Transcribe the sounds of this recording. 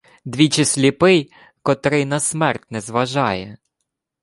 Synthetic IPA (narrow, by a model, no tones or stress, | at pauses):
d̪ʲʋʲit͡ʃɪsʲlʲipɪj | kɔt̪ɾɪjnɐsmɛrtʲnɛzʋɐʒɑjɛ